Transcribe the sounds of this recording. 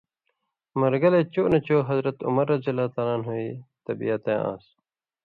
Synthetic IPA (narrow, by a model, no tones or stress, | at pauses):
mɐɾɡɐleːt͡ɕoːnɐt͡ɕoːɦɐzɾɐt̪ṵmɐɾːɐzijɐlaːt̪aːlaːnɦoːiːt̪ɐbijɐt̪ẽːʔã̰ːs